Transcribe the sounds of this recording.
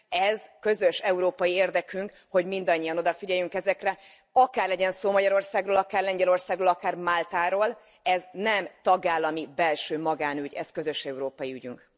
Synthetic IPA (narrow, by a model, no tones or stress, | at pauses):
ɛzkø̞zøʃɛuɾoːpɒjieːrd̪ɛkyŋk | ho̞ɟmind̪ɒɲːijɒno̞d̪ɒfiɟɛjyŋkɛzɛkrɛ | ɒkaːrlɛɟɛnsoːmɒɟɒɾo̞rsaːɡroːlɒkaːrlɛɲɟɛlo̞rsaːɡroːlɒkaːrmaːlt̪aːɾoːl | ɛznɛmt̪ɒɡaːlːɒmibɛlʃøːmɒɡaːnyɟɛ̰zkø̞zø̞ʃɛuɾoːpɒjiyɟy̰ŋk